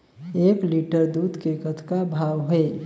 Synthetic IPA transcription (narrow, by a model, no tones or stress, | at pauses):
eːkliːʈəɾd̪uːd̪ʱkeːkət̪ʰkabʱaːwɦe